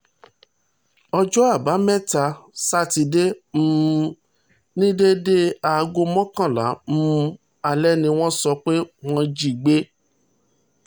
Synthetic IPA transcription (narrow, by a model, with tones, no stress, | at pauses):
ɔ˧d͡ʒɔ˦a˦˨ba˨˦mɛ̃˦ta˧sa˦ti˧de˦m̩˦ | nĩ˦de˦de˦a˨˧ɡo˧mɔ̃˦kã˦˨la̰˨˦m̩˦˧˦ | a˨lɛ˦nĩ˧w̃ɔ̃˦sɔ˧k͡pe˦w̃ɔ̃˦d͡ʒi˨ɡ͡be˦